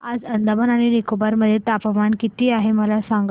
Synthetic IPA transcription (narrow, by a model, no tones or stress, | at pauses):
ad͡zənd̪əbənaɽ̃inikobaɾməd̪ʱːjet̪apəmankit̪iːaɦeməlasaŋɡ